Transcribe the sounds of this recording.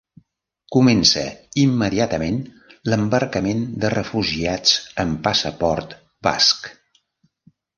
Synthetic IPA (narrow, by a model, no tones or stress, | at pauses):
kumɛnsə̰imːəðiat̪əmen | ləmbəɾkəmend̪ərəfuʒiat͡səmpasəpɔɾt̪ | ba̰sk